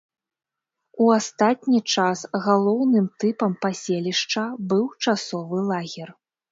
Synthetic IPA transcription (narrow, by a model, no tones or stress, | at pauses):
uast̪at̪̚ʲnʲit͡ʂasɣalˠɔwnɨmt̪ɨpɐmpasʲelʲiʂt͡ʂɐbɨwt͡ʂasɔvɨlˠaɣʲɛr